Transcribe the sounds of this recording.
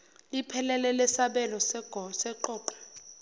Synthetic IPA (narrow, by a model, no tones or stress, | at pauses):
lipʰɛlɛlɛlɛsaɓɛlɔsɛ̥ɔsɛǃɔːǃɛ̥